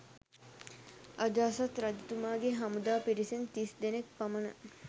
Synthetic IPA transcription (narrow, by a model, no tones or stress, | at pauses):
ʔad͡ʒaːsat̪ɾɐd̪it̪umaːɡeɦamud̪aːpiɾisent̪isd̪enekpamənə